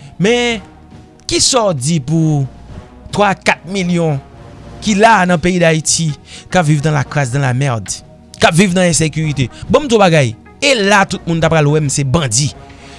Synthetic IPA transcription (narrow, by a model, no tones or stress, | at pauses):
mɛ̃ | kisɔd͡zipu | t̪wakat̪̚miljɔ̃kilanɐ̃peid̪aitikapvivd̪ãlaklas̬d̪ãlamɛʁd | kapvivnãɛ̃sekyʁit̪ebɔ̃m̩t̪ũbaɡaj | elat̪ut̪̚mũnt̪apalwɛm̩sebãd͡zi